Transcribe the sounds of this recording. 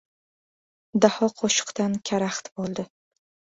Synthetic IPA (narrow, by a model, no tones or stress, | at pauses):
d̪ahɒqʰɒʃɨ̥qt̪ankʲʰaɾaχt̪bolˠd̪ɪ